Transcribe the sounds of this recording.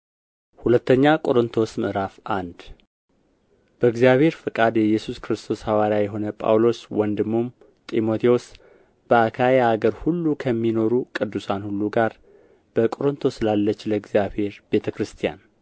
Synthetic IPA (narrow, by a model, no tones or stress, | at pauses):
hulət̪ːəɲːakʼo̞ɾɨnt̪ʰo̞sməʔɾafand̪ | b̥əɨɡzijaβhe̞ɾfɨkʼad̪jɛjːɛsuskɾɨst̪ʰo̞shawaɾjajɛɦo̞nəpʼa̰wlo̞swɔnd̪ɨmːum | t̪ʼimo̞t̪ʰios | b̥əakʰajeaɡəɾhulːukʰəmːino̞ɾukʼɨd̪ːusanhulːuɡaɾ | b̥əkʼo̞ɾɨnt̪ʰo̞sɨlalːət͡ʃːləɨɡzijabhe̞ɾb̥e̞t̪ʰəkɾɨst̪ʰija̰n